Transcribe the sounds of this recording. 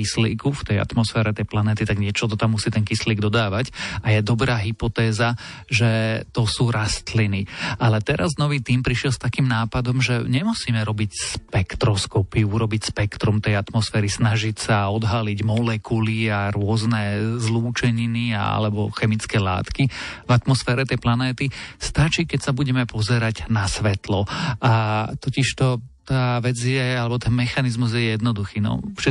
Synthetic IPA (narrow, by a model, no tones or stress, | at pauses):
islḭːkuft̪ɛja̰t̪mɔsfɛːɾɛt̪ɛjplanɛt̪it̪aɡɲɪɛt͡ʃɔt̪ɔt̪amːusiːt̪ɛnkisliːɡd̪ɔd̪aːʋacajɛd̪ɔbɾaːɦipɔt̪ɛːza | ʒɛt̪ɔsuːɾast̪linialɛt̪ɛɾa̰znɔʋiːt̪iːmpɾiʃɪɛlst̪akiːmnaːpad̪ɔmʒɛɲɛmusiːmɛɾɔbicspɛkt̪ɾɔskɔpiuuɾɔbicspɛkt̪ɾumt̪ɛjat̪mɔsfɛːɾisnaʒicsaɔd̪ɦaliɟmɔlɛkuliaɾʊɔznɛzluːt͡ʃɛɲinia̰a̰lɛbɔxɛmit͡skɛːla̰ːt̪kivat̪mɔsfɛːɾɛt̪ɛjplanɛːt̪ist̪at͡ʃiːkɛcsabuɟɛmɛpɔzɛɾaɟnasʋɛt̪lɔat̪ɔciʃt̪ɔt̪aːʋɛd͡zjɛalɛbɔt̪ɛnmɛxanizmuzjɛjɛd̪nɔd̪uxiːnɔ̰fʃɛ